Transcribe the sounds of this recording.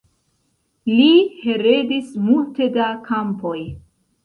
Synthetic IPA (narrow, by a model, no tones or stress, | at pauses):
lihe̞ɾe̞dismulte̞dakʰampo̞j